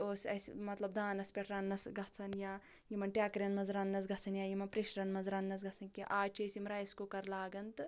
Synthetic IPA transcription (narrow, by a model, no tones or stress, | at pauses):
oːsɐ̰smɐt̪lɐb̚d̪ʱaːnɐspʲeʈɾanːɐsɡɐt͡sʰɐnjaː | jimɐnʈʲjaːkɾʲjɐnmɐzɾaːnːɐs̬ɡɐt͡sʰɐnjaːjimɐnpɾiʃɾɐnmɐzɾaːnːɐs̬ɡɐt͡sɐnkiʔaːt͡ʃʰɐːsimɾaːjɐskokɐɾlaːɡɐnt̪